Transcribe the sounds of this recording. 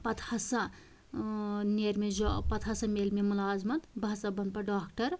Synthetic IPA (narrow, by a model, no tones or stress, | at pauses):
pɐt̪ʰhasa | neɾmed͡ʒɔpɐt̪ʰasameːlmemɐlaːzmɐt̪bʱasabɐnpɐɖaːkʈɐɾ